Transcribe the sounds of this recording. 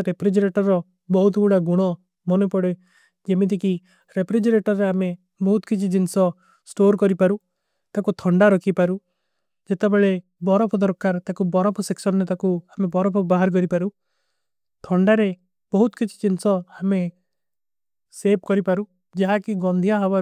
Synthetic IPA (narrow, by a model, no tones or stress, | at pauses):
ɾepʰɾid͡ʒɾeʈɔɾːɔ | bɔɦut̪buɽaɡuɽ̃ɔ | mɔnupɔɽe | d͡ʒemit̪̬iki | ɾepʰɾid͡ʒɾeʈɔɾːeame | bɔɦut̪kit͡ʃʰid͡ʒinsɔ | sʈoɾkɔɾipaɾu | t̪akut̪ʰɔɳɖaɾɔkʰipaɾu | d͡ʒet̪ebeɭe | bɔɾɔpʰɔd̪ɔɾkaɾt̪akubɔɾɔpʰɔseksɔnɔnet̪akuamebɔɾɔpʰɔbaɦaɾk̬ɔɾipaɾu | t̪ʰɔɳɖaɾe | bɔɦut̪ɔ̥kit͡ʃʰi̥d͡ʒinsɔame | sep̚kɔɾipaɾu | d͡ʒaɦakiɡɔnd̪ʱijaɦɔba